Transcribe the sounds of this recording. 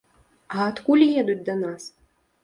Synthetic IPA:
ɐːt̪kulʲjɛd̪ut͡sʲd̪ɐnas

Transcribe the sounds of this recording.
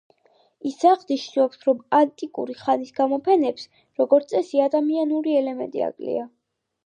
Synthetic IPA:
isaʁd̪iʃnɔpsɾɔmant̪ʼikʼṵɾiχanisɡamɔpʰɛnɛps | ɾɔɡɔɾt̪sʼɛsiad̪amianuɾiɛlɛmɛ̰nt̪ʼḭa̰kʼlḭa

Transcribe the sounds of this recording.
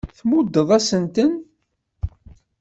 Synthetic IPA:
θmud̪ːəðˤæsənt̪ən

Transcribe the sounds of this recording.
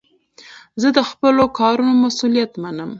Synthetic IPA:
zəd̪əxpəlokɑɾunomasulijat̪manəm

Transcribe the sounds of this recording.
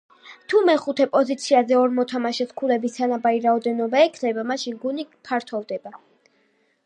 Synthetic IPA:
t̪ʰumɛχut̪ʰɛpʼɔzit̪sʰiazɛɔɾmɔt̪ʰamaʃɛskʰulɛbist̪ʰanabaɾiɾaɔd̪ɛnɔbaɛkʰnɛbamaʃinɡunipʰaɾt̪ʰɔvd̪ɛba

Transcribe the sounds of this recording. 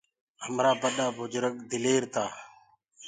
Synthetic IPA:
ɦəmɾaːbəɗaːbʱʊd͡ʒɾəkd̪ɪleːɾt̪aː

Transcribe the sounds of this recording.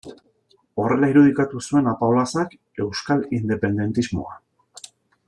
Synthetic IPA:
o̞re̞laiɾuð̞ikat̪usue̞napaolasak | e̞wskalind̪e̞pe̞nd̪e̞nt̪izmo̞̰a

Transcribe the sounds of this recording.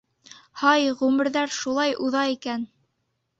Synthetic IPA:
hɑjʁʉmɘ̆ɾðæɾʃulˠɑjʔuðɑikæn

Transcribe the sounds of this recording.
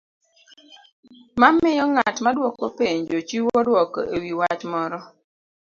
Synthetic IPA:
mamɪjɔŋatmadwɔkopeɲd͡ʒot͡ʃiwɔdwɔko̰ʔewiwat͡ʃmɔɾɔ

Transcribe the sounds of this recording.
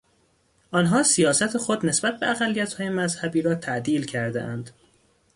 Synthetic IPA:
ʔɒnɦɒːsijɒːsæt̪ʰexod̪ne̞sbæt̪̚be̞æɣælːijæt̪hɒːjemæzhæbiːɾɒːt̪ʰæʔd̪iːlcʰæɾd̪ḛʔæ̰nd̪̥

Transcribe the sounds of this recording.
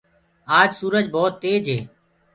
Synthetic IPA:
aːd͡ʒsuːɾəd͡ʒbɔːt̪ːeːd͡ʒeː

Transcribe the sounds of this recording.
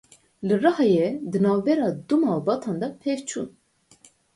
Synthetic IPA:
lərɑhɑjɛd̪ɨnɑːvbɛɾɑːd̪umɑːlbɑt̪ʰɑnd̪ɑpʰɛvt͡ʃʰṵːn

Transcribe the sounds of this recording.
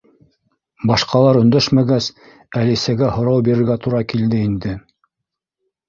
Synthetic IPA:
bɑʃqɑlˠɑɾɵ̆nd̪æʃmæɡæs | ælisæɡæhŏɾɑwbiɾɘ̆ɾɡæt̪uɾɑkild̪ɘind̪ɘ

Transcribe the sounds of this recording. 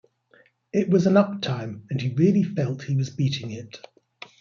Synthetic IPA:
ɪʔwɒzə̃nʌp̚tʰãɪ̃mə̃niɹɪəlifɛlˠthiwɒzbiˑtɪ̃ŋɪt

